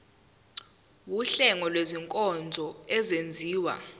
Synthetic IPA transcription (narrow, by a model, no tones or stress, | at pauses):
wuɬɛŋɔlweziŋkʼɔnd͡zʱɔɛzend͡zʱiːwa̰